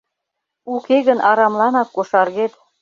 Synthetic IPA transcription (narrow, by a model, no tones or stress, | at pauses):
ukeɣə̆nɑɾɑmlɑnɑkːoʃɑrɣet̪